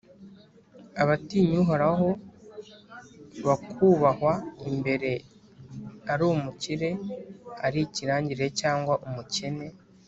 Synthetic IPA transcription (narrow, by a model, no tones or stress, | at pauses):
aβatiɲuɦoɾaɦo̞ | βakʰuβahwaimbe̞ɾe̞ | aɾumuciɾe̞aɾiciɾaːɲɟiɾe̞caːŋɡwaʔumuce̞ne̞